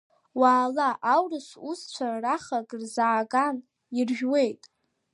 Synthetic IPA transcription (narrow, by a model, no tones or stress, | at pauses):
waːlaʔawrɨʂʷust͡ɕʷʰaraχaɡʼrzaːɡan | irʒᶣwe̞jtʼ